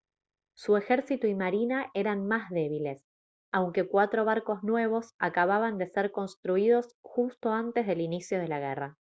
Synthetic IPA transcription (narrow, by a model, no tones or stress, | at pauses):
sue̞xeɾsit̪uimaɾinaʔe̞ɾanmazðe̞β̞ile̞s | awŋke̞kwat̪ɾo̞β̞aɾko̞znwe̞β̞o̞sakaβaβand̪e̞seɾko̞nst̪ɾuiðo̞sxust̪o̞ant̪e̞zðe̞linisjo̞ð̞e̞laɣera